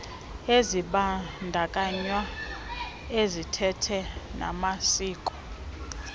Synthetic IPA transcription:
eziɓandʱakʼaɲwa | ezitʰɛtʰɛna̰masiːkʼɔ̥

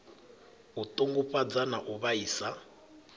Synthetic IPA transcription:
ut̪ʼoŋɡuɸʼad͡zanaʔuβaiːsa

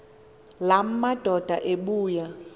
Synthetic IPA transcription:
lam̩mad̥ʱɔd̥ʱa̰ʔeɓuːja

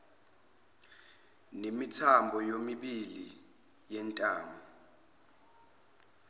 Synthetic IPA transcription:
nemitʰambʱɔjomiɓili | jɛntʼaːmɔ

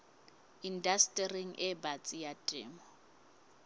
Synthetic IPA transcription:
indastʼɛriŋ̩ʔɛbat͡sʼijatʼɪːmɔ

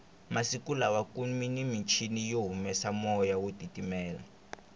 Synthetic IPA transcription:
masikulawakuminimint͡ʃʰinijoɦumɛsamɔjawodʱitʼimɛːla̰

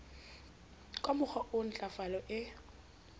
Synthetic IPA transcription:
kʼamʊχʰɔʔʊn̩t͡ɬʼafalɔʔɪ

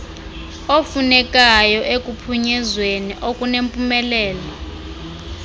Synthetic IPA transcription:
ofunɛkʼajɔʔekʼupʰuɲɛzweniʔokʼunempʼumɛlɛːla

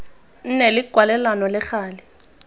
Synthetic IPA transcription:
n̩nelɪɡ̥ʱwalɛlanɔlɪxaːlɪ

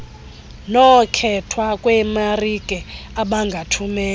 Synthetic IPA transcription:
nɔkʰɛtʰwakʼwɛmarikʼɛaɓaŋɡʱatʰumɛː

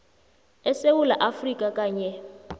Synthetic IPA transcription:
ɛsewulaʔafrikʼakʼaːɲɛ

